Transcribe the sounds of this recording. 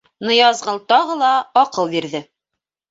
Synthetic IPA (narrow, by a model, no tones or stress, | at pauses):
nɤ̆jɑzʁɤlˠt̪ɒʁɤlˠɑːqɤlˠbiɾðɘ